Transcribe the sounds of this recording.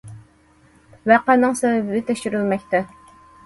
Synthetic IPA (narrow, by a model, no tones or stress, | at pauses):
wæqænɨŋsɛwɛbɪd̪ɪt̪ʰɛkʲʃyɾylmɛkʲt̪ɛ